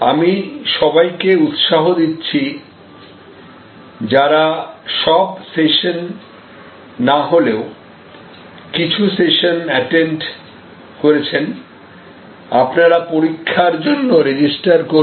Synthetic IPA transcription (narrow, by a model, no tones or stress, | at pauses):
amiʃɔbajkeut̪ʃaɦod̪itːɕʰi | d͡ʑaɾaʃɔbseʃon | aɦoleo | kit͡ɕʰuseʃonɛʈeɳʈ | koɾet͡ɕʰen | apnaɾapoɾikʰːaɾd͡ʑonːoɾed͡ʑisʈaɾko